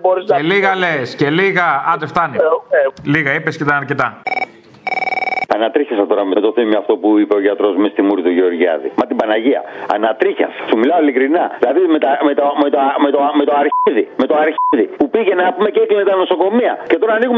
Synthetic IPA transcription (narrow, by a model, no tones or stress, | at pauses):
oɾizeliɣɐlesce̞liɣɐɐd̪eft̪ɐniliɣɐipescet̪ɐɐɾce̞t̪ɐ | ɐnɐt̪ɾiçesɐt̪o̞ɾɐmeet̪o̞θimiɐft̪o̞puipeoʝɐt̪ɾo̞zmist̪imuɾit̪uʝeo̞ɾʝiɐ̰ðḭmɐt̪ibɐnɐʝiɐ̰ɐ̰nɐt̪ɾiçɐ̰ssumilɐoilikɾinɐilɐðimet̪ɐmet̪omet̪omet̪ome̞t̪o̞ɐɾiðime̞t̪o̞ɐɾçiðipupiʝe̞nɐpumeceklimet̪ɐno̞so̞ko̞miɐce̞t̪o̞ɾɐːniɣum